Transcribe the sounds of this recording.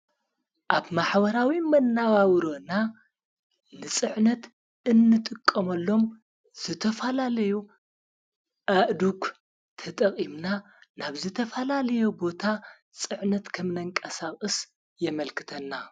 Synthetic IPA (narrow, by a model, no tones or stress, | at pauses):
ʔaβmaħbɐɾawimɐnːaβawɾona | nɨt͡sʼɨʕnɐt̪ | ɨnːɨt̪ʼɨkʼːɐmɐlːo̞m | z̥ɨt̪ʰɐfɐlalɐju | ʔaʔd̪uɡ | t̪ʰɐt̪ʼɐkʼimna | naβzɨt̪ʰɐfɐlalɐjubo̞t̪ʰa | t͡sʼɨʕnɐt̪kʰɐmnɐŋkʼɐsakʼɨs | jɛmɐlkʰɨ̥t̪ʰɐnːa